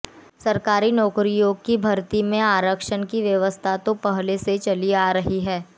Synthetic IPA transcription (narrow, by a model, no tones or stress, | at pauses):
sɐɾkaːɾinɔːkɾijoːɡkibʱɐɾt̪imẽaːɾəkʃənkiʋjɐʋəst̪ʰat̪õpɐɦleset͡ʃɐliaːɾɐɦiɦɛː